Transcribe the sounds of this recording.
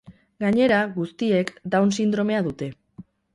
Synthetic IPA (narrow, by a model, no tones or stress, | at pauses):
ɡaɲe̞ɾaɣust̪ie̞kd̪awnsind̪ɾo̞me̞aðut̪e̞